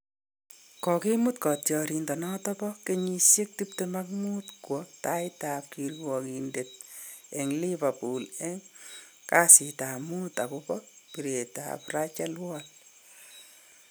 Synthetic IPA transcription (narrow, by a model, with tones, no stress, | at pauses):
kɔ˨ki˦mu˦tkɔ˨tjɔɾi˨ndɔ˨nɔtɔ˦pɔke˦ɲi˧sje˦k̚ti˦ptemak̚mu˦tkwɔta˦jta˨p̚ki˨ɾwɔkinde˨t̚ | e˨ŋli˦βa˨pu˨lɛ˦ŋ | ka˦si˨ta˨mu˦ta˨ko˦pɔ˦ | pi˨ɾe˨ta̰˨pra˦t͡ʃa˦lwɔl